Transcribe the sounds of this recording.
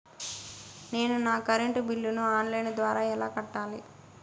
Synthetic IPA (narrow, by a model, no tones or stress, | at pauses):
ne̞ːnunaːkɐɾeɳʈbilːunuaːnlɐjnd̪ʋaːɾaːɛlaːkɐʈːaːli